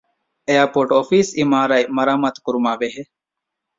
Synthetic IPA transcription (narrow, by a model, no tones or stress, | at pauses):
ejaːpoːʈoːfiːsimaːɾajmɐɾaːmɐt̪kʊɾumaːʋeɦe